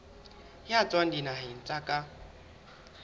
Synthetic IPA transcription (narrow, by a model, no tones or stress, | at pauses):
hjat͡sʼwan̩dinaɦɪn̩t͡sʼakʼa